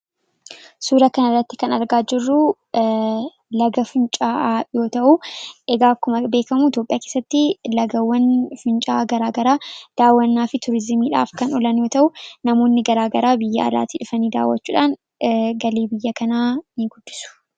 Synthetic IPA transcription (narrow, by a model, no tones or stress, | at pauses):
suːɾɐkɐnɐrːɐt̪ːɪ̥kɐnɐɾɡaːd͡ʒɪrːʊ | lɐɡɐfʊnt͡ʃʼaːʔajo̞ːt̪ɐʔuʔɛɡaːkːʊmɐbe̞ːkɐmuɪt̪jo̞ːpʼːɪjaːkeːsːɐt̪ːɪlɐɡɐwːɐnfʊnt͡ʃʼaːɡɐɾaːɡɐɾaːd̪̥aːwːɐnːaːfɪt̪ʊɾɪzmiːᶑa̰ːfkɐnɔlɐnjo̞ːt̪ɐʔʊnɐmo̞ːnːɪɡɐɾaːɡɐɾaːbɪjːɐ̰ʔɐ̰la̰ːt̪iᶑʊfɐniːd̪a̰ːwːɐt͡ʃːuːᶑaːn | ɡɐleːbɪjːɐkɐnaːnɪɡʊd̪̥ːɪ̥sʊ̥